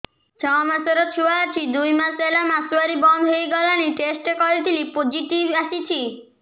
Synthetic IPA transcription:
t͡ʃʰɔmasɔɾɔt̪ʰuwaːt͡ʃʰid̪ujmaselamasuwaɾibɔnd̪ʱɦojɡɔlañiʈesʈekɔɾit̪ʰilipod͡ʒiʈibaʃit͡ʃʰi

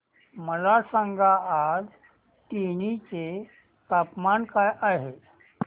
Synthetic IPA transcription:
məlasãŋɡʱaad͡z | ʈiñit͡se | t̪apmankajʔaɦe

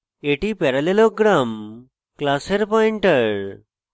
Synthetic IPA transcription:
eʈipɛɾaleloɡɾam | klaseɾpɔiɳʈəɾ

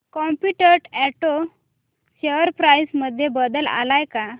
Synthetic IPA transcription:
kɔmpuʈəɾʈɛʈo | ɕeʋəɾpɾajsməd̪ʱjebəd̪əla̰lajka

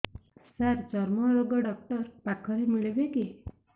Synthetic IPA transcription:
saɾd͡ʒɔɾmɔɾoɡɔɖɔk̚ʈʌɾpakʰɔɾemiɭibeki

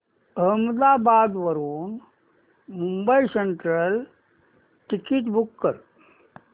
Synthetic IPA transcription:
əɦməd̪aːbaːd̪ʋəɾuːn | mumbəiseɳʈɾəl | ʈikiʈbukːəɾ

